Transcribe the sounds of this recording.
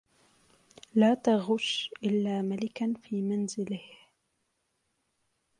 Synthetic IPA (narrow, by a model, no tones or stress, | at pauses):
laːt̪aɣʊʃʔɪlːaːmalɪkanfiːmanzɪlɪh